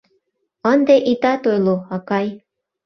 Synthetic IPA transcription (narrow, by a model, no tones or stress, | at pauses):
ənd̪eʔit̪ɑt̪ojloɑkɑj